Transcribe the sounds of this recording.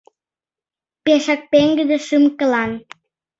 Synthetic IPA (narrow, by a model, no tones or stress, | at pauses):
peʃɑk̚peŋɡəd̪ə̆ʃɨmkə̆lɑn